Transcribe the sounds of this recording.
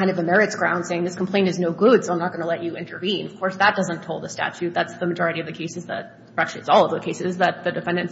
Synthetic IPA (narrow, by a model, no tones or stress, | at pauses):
ãɪ̃nʌvɨmɛɹɨtsɡ̥ɹãʊ̃nd̥seɪɪ̃ŋðɪskʰm̩pʰl̥ẽɪ̃ntɨznoʊɡʊd̥soʊãɪ̃nət̚ɡ̥ʌnəlɛt͡ʃɨɪ̃ntʰə˞vĩnʌv̥kʰɔɹsðət̚d̥ʌzə̃ntʰoʊl̚ˠðəstæ̰t͡ʃʉt̪̚ðætsðɨmɨd͡ʒɔɹɨɾiʌvðɨkʰeɪsɨzðɨ̰t̪̚ | ɹʌkʃɨzɔlˠʌvðoʊkʰeɪsɨzðɨt̪̚ðɨdɨfɛ̃ndɨ̃n